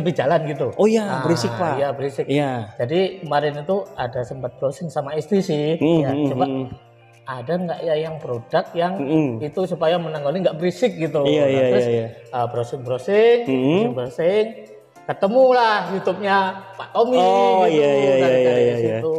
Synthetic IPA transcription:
ləbid͡ʒalanɡit̪̬uojabɾisɪkajabəɾisɪkjad͡ʒadikəmaɾɪnit̪uadasəmpat̪̚bəɾosɪŋsamaist̪ɾisɪhjat͡ʃəba | adaŋɡaʔjajaŋpɾodak̪̚jaŋit̪usupajamənaŋɡoliŋɡaʔbəɾisɪk̚ɡit̪̬ujaaaɪa | əbɾosɪŋbɾosɪŋbəɾosɪŋ | kət̪əmulahjut̪ʊp̚ɲapaʔt̪omiaaaaat̪u

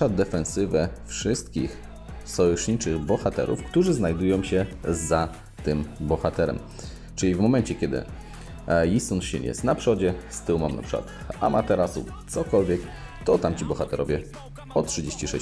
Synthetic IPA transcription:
ad̪ɛfɛnsɘvɛfʂɘst̪kʲix | sɔwɛʂɲit͡ʂɘɣbɔxat̪ɛ̰ɾṵfkt̪uʐɘznajd̪ujɔ̃wɕɛza | t̪ɘmbɔxat̪ɛɾɛ̰m | t͡ʂɘlʲivmɔmɛnt͡ɕɛkʲɛd̪ɘ̰ | jisunɕɛ̰ɲɛ̰st̪napʂɔd͡ʑɛst̪ɘwmamnapʂɘkwa̰t̪ | a̰mat̪ɛɾasṵ | t̪sɔkɔlvʲjɛk | t̪ɔt̪amt͡ɕibɔxat̪ɛɾɔvʲjɛ | ɔtʂɘd͡ʑeɕt͡ɕiʂɛ

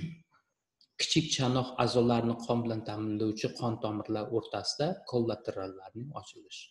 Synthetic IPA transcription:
kʲʰɪ̥t͡ʃʰɪkʲt͡ʃʰanɒχa̰zɒlaɾnɪqʰɒmbɪlant̪ʰamɪnlawt͡ʃʰɪqʰɒnt̪ʰɒmɪɾlaɾoɾt̪ʰasɪd̪akʰolˠːat̪ʰɪɾalːaɾnɪɒ̰t͡ʃʰɪlɪʃ

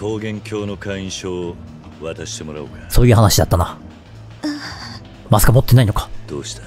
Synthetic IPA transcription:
ho̞ːɡẽ̞ŋkʲʰo̞ːno̞kʰãĩɕoː | βat̪aɕi̥t̪e̞mo̞ɾaokasoːjɯ̟ɦanaɕid̪a̰t̪ːana̰ | a | masɨ̥kamo̞t̪ːe̞naino̞kḁd̪̥oːɕi̥t̪ḁ

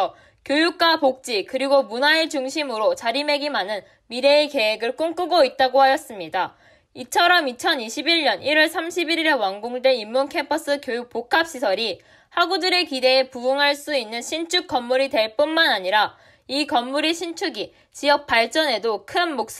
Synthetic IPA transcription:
kjojuk̚k͈wapok̚t͡ɕ͈ikɯɾiɡomunaet͡ɕuŋɕʰimɯɾot͡ɕaɾime̞ɡimanɯn | miɾe̞ːke̞ɦeɡɯɭk͈ɯŋk͈ɯɡoit̚t͈aɡohajʌs͈ɯmɲida | it͡ɕʰʌɾʌmit͡ɕʰʌniɕʰibiɭɲʌniɾiɭsʰamɕʰibiɾiɾe̞waŋɡoŋde̞imːunkʰe̞mpʰʌs͈ɯkjojuk̚pokʰap̚ɕ͈isʰʌɾi | haɡudɯɾe̞kide̞ːpuuŋɦaɭs͈uinːɯnɕʰint͡ɕʰuk̚k͈ʌmːuɾite̞ɭp͈unmanaɲiɾa | ikʌmːuɾiɕʰint͡ɕʰuɡi | t͡ɕijʌk̚p͈aɭt͡ɕ͈ʌne̞dokʰɯnmok̚s͈

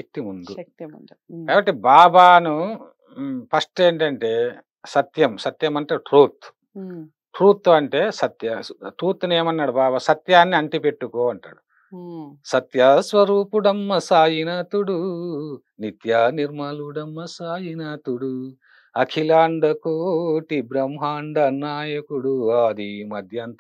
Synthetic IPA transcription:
ʃɐk̚t̪imund̪u | kaːbɐʈːibaːbaːnu | pʰɐʂʈeːɳʈɐɳʈe̞ː | sɐt̪jɐmsɐt̪jɐmɐɳʈaːʈɾuːt̪ | ʈɾuːt̪ːɐɳʈe̞ːsɐt̪jɐʈɾuːt̪ːneːmɐnːaːɽubaːbasɐt̪jaːnːiɐɳʈipe̞ʈːukoːɐɳʈa̰ːɽu | sɐt̪jɐsʋɐɾuːpuɽɐmːɐsaːjinɐt̪uɽu | nit̪jaːniɾmɐluɽɐmːɐsaːjinɐt̪uɽu | ɐkʰilaːɳɖɐkoʈibɾɐmɦaːɳɖɐnaːjɐkuɽuaːd̪imɐd̪ʱjɐnt̪

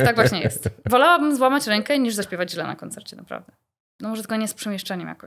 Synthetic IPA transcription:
t̪aɡvwaɕɲɛjɛ̰st̪vɔlawabɘmzwamat͡ɕɾɛŋkɛɲiʐzaɕpʲɛvad͡ʑʑlɛna̰kɔnt̪sɛ̰ɾt͡ɕɛnapɾa̰vd̪ɛ | nɔmɔʐɛt̪ɛɡɔɲɛspʂɛmʲjɛʂt͡ʂɛɲɛmja̰kɔ

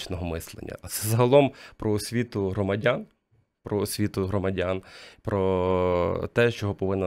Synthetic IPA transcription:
t͡ʃnɔɦɔmɪslˠḛnʲːɐ̰sɛzɐɦɐlˠɔmpɾɔɔsʲʋʲit̪ʊɦɾɔmɐdʲan | pɾɔɔsʲʋʲit̪ʊɦɾɔmɐdʲanpɾɔ | t̪ɛʃt͡ʃɔɦɔpɔʋɪnːɐ

